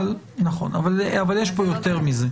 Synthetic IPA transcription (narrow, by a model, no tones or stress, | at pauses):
l | naχo̞̰navalavaljeʃpo̞jo̞te̞ʁmize